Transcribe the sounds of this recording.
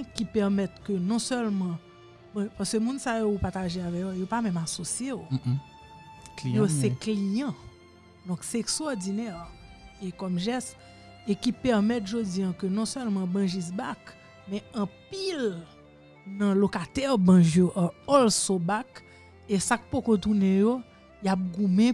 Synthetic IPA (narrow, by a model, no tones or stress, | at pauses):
kipɛʁmɛt̪kønɔ̃sœlmɐ̃ | bʌ̃paskømũnsajoupaʁt̪aʒeavɛkjojopamɛ̃masosjeo | josɛklijɐ̃ | d̪ɔ̃ksɛeksɔʁd͡zinɛʁekɔmʒɛst̪ | ekipɛʁmɛt̪ʒod͡zijãkønɔ̃sœlmɐ̃bɐ̃ʒisbak | mɛ̃ɐ̃pil | nɐ̃lokat̪ɛʁbɐ̃ʒjoʔɔlsobak | esak̚pokot̪̬unɛ̃jo | jap̚ɡũmɛ̃